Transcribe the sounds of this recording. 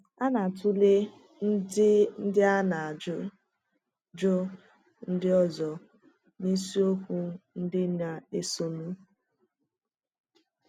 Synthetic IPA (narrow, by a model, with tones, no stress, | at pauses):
a˦na˨tu˦le˦ | n̩˦dɪ˦n̩˦dɪ˦a˦na˨d͡ʒʊ˦ | d͡ʒʊ˦ | n̩˦dɪ˦ɔ˦zɔ˨ | ni˦si˦o˦kʷu˦n̩˦dɪ˦na˨e˦so˨nu˦